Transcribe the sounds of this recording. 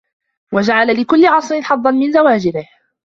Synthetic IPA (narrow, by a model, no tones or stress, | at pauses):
wad͡ʒaʕalalɪkʊlːɪʕɑsˤɾɪnħɑðˤːɑnmɪnzawaːd͡ʒɪɾɪh